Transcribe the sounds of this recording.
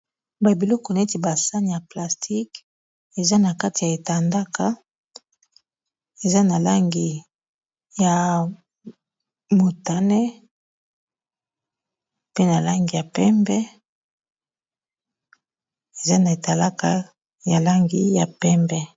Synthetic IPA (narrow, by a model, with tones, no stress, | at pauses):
ba˨bi˨lɔ˦kɔ˨na˨e˦ti˨ba˨sa˦ni˨ja˨pla˨stʰi˦k | e˨za˦na˨ka˦ti˨ja˨e˨ta˨nda˦ka˦ | e˨za˦na˨la˦ŋɡi˨ | ja˨ | mo˨ta˨nɛ˦ | pe˦na˨la˦ŋɡi˨ja˨pɛ˦mbɛ˦ | e˨za˦na˨e˨ta˨la˦ka˨ | ja˨la˦ŋɡi˦ja˨pɛ˦mbɛ˦